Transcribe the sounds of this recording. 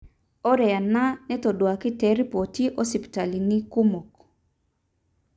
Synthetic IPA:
ɔ˦ɾɛ˨a˨na˦nɛ˦tɔ˨dwa˨kɪ˦tɛɾi˦po˨ti˦ʔɔ˦si˨pta˨li˨ni˦ku˦mo˨k

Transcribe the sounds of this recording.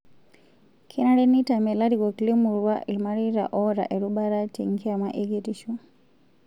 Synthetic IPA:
kʰi˦na˦ɾɛ˦ni˦ta˨mɛ˨la˦ɾi˨ɡɔ˨kli˦mu˨ɾwa˦ʔi˨lma˦ɾi˦ɾa̰˨ʔɔ˦ɾa̰˨ʔe˨ɾu˦ɓa˦ɾa˦ti˨ŋ˦ki˦a˨ma˦ʔeɡe˦ti˦ʃu˦

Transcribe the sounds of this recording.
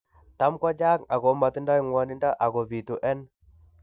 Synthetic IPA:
t̪a˨˦mkɔ˦d͡ʒa˦ka˨ɣo˨˦ma˨t̪i˦nda˦i˨ŋwɔ˨˦ni˦nda˦ʔa˨ɣo˨βi˨t̪u˨ʔɛ˦n

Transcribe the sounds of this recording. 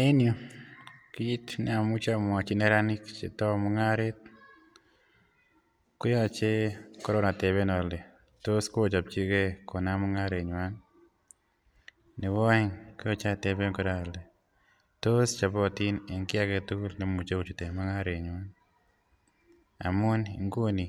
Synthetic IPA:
e˦njo˨ | ki˦d͡ʒi˦tnɪ˦a˨mu˦t͡ʃa˦m˨a˨t͡ʃi˦nɛ˦ɾa˦nɪ˦kt͡ʃḛ˨tɔ˦mɔ˦ŋa˦ɾe˦t̚ | kʊ˦jɔ˦t͡ʃe˦kɔ˦ɾɔ˦na˨te˨be˦nɔ˨le˨ | to˦sko˦o˨t͡ʃa˨p̚t͡ʃi˦ke˦ko˨na˦mɔ˦ŋa˦ɾe˨ɲ˨a˦n | nɪ˨wɔ˦ɪ˦ŋkʊ˦jɔ˦t͡ʃa˦te˨be˦ŋko˨ɾa˦˨le˨ | to˦st͡ʃa˨bɔ˦ti˦ne˨ŋkɪ˦a˦ke˨tu˦lne˦mu˨t͡ʃo˦u˨t͡ʃu˨te˨ma˦ŋa˦ɾe˨ɲwa˦n | a̰˨mʊ˦nḭ˨ŋɡo˦ni˨

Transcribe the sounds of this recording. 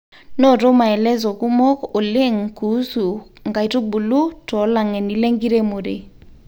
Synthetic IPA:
nɔ˦˨ɾo˦ma˨ɛ˨lɛ˦zɔ˨ku˦mɔ˦ko˨le˦˨ŋku˨˦su˨ŋɡa˨i˨to˦bu˨lu˦tɔ˨˦la˨ŋɛ˨ni˨le˦ŋɡi˦ɾe˦mo˨ɾe˨

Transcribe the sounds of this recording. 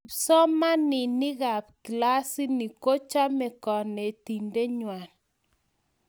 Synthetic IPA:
sɔ˦ma˦nɪ˨nɪ˦ɣa˨pkla˦si˦ni˨ko˦t͡ʃa˦mɛ˨kɔ˨ne˨ti˨nde˦ɲwa˨n

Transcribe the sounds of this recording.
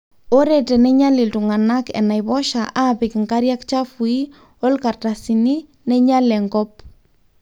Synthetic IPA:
o˦ɾɛ˨tɛ˨nɛ˦ɲa˦lɪ˨ltu˨ŋa˨na˦kɛ̰˨na˨jβɔ˦ʃa˨ʔa˦pɪ˨kŋka˦ɾja˦kt͡ʃa˦fu˨i˦ | ɔ˦lka˨rta˨si˨ni˦ | nɛ˦ɲa˦lɛ˨ŋɡɔ˦p̚

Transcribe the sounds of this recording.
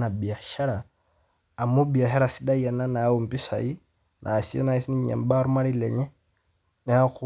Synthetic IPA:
na˨bi˨a˨ʃa˦ɾaː˨ | mu˦bi˨a˨ʃa˦ɾa˨si˦ɗa˦ja˨na˦na˨˦wu˨m˨pi˦sa̰˨i˦ | nʔa˨si˦ɛ̰˦na˨i˦si˦ni˦ɲɛ̰˨m˦ba˦ɾu˦ma˦ɾi˦lɛ˨ɲɛ˦ | nɛ˨a˦ku

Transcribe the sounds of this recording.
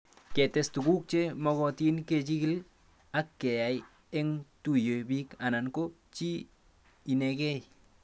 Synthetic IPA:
ke˨te˨stu˨ɡu˦k̚t͡ʃe˦mɔ˧ɣɔ˨ti˦nke˨t͡ʃi˦ki˦l | a˦kːe˨ja˨j | e˦ŋtu˦jo˨bi˦ka˨na˨nko˦ | t͡ʃi˦ | i˨ne˧kɛ˦j

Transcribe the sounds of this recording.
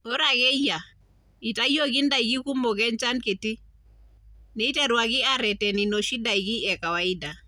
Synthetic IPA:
ɔ˦ɾa˨ɣɛ˦ja˨ | i˨ta˦jɔ˦ɣi˦nda˨i˨ɡi˦ku˦mɔ˨kɛ˦nt͡ʃa˦nkɪ˨tɪ˦ | nɛ˨i˦tɛ˦ɾwa˨ɣɪ˦a˨ɾɛ˨tɛ˨ni˨nɔ˨ʃi˦da˨i˨ɡi˦ɛ˨ka˨wa˨i˦da˨

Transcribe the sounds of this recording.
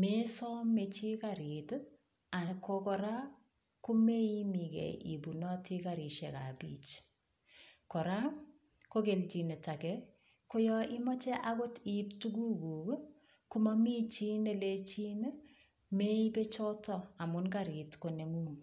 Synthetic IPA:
me˦sɔ˦me˨t͡ʃi˦kaɾit | a˨kʰo˧kɔ˨ɾa˦ | ku˦me˦i˦mi˨kɛ̰˨ʔḭ˨bu˨nɔ˦ti˦ka˨ɾi˨ʃe˨ka̰˨bḭː˦t͡ʃ | kɔ˨ɾa˦ŋ | ko˦ke˨lt͡ʃi˨ne˨ta˨kɛ | ko˦jɔ˦i˦mɔ˦t͡ʃɛ˦ʔa˦ko˦ti˨˦ptuɡu˦ku˨k | ku˦ma˦mi˦t͡ʃi˦ne˦˨le˦t͡ʃi˦n˦ | me˦i˦be˦t͡ʃɔ˦tɔa˨mʊ˦nka˨ɾi˨tko˨ne˨ŋuː˦ŋ

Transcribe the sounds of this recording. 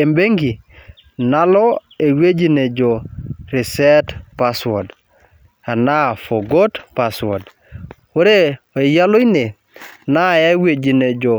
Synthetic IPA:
e˨mbe˦ŋɡi˨ | na˦lɔ˦ | e˨we˦d͡ʒi˨ne˨d͡ʒo˨ɾi˨sɛ˦tpa˨swo˨d | a˨na˦fo˨ɡo˦tpa˨swɔ˨d | wo˦ɾe˦o˨i˨ja˦lo˦i˦ne˨ | na˦˨ja˦we˨d͡ʒi˨ne˨d͡ʒo˨

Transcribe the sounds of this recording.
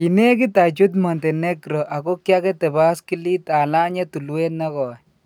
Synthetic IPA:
ine˦kit̪a˨t͡ʃu˦t̪̬mɔ˨nte˨neɡɾo˨ʔa˨ko˦kjakɛ˦t̪ɛ˨ba˦skili˦t̪a˨la˦ɲe˦t̪u˨lwenːa˦kɔ˨ɛ

